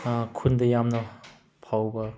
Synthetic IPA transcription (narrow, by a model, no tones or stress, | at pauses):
kʰundɐjamnɐ | pʰawbɐ